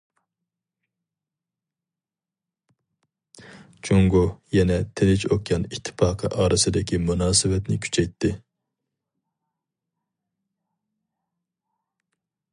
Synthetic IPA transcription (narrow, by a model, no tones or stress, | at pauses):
t͡ʃʰoŋɡojɛnɛt̪ʰɪlɪt͡ʃokjɑnit̪ʰːɪ̥pɑːqʰəʔɑːɾɨsɨd̪ɪkʲimunɑːsɨvɛt̪nɪkʲʰy̥t͡ʃʰɛjt̪ʰːɪ